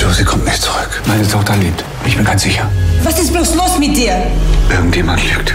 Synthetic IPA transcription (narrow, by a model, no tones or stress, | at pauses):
ʒozikʰɔmtnɪçtt͡su̥ʁʏkmaɪnətʰɔχtɐliːp̚t | ɪçb̥ɪnɡansz̥ɪçɐvasɪsb̥loslʊsmɪt̚d̥iːəʔɪɡŋ̩tvemantlɪk̚t